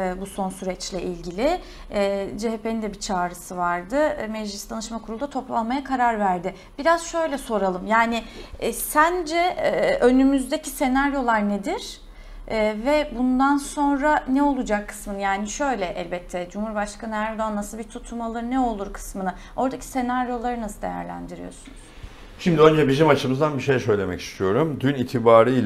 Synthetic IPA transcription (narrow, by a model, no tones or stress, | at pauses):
buso̞nsyɾɛt͡ʃlʲɛʔilʲɟilʲɪ | d͡ʒeɦepʰe̞nind̪ɛbit͡ʃʰaːɾɯsɯvaɾd̪ɯmɛd͡ʒlistd̪ʰanɯʃmakʰuɾulˠd̪at̪ʰo̞plˠanmajakʰaɾaɾvæɾd̪ɪ | b̥iɾazʃø̞jlʲɛso̞ɾalˠɯmjaːnɪsænd͡ʒɛʔø̞nymyzd̪ecʰise̞naɾjo̞lˠaɾned̪iɾ̥ː | vɛbund̪anso̞nɾanɛo̞lˠud͡ʒakʰːɯ̥smɯnɯjaːniʃø̞jlʲɛʔɛlʲbɛt̪ʰːɛd͡ʒumhuɾbaʃkʰanɯæɾd̪o̞anːasɯlˠbit̪ʰut̪ʰumalˠɯnɛo̞lˠuɾkʰɯ̥smɯnɯ | o̞ɾd̪acʰi̥se̞naɾjo̞lˠaɾɯnasɯlˠd̪e̞̰jæ̰ɾlʲæ̰nd̪iɾḭjo̞̰sunuz̥ | ʃimd̪iø̞nd͡ʒɛbizimat͡ʃʰɯmɯzd̪anbiʃe̞jsø̞jlʲe̞mɛ̰ci̥st̪ʰijo̞ɾumd̪yniːt̪ʰibaːɾɯjl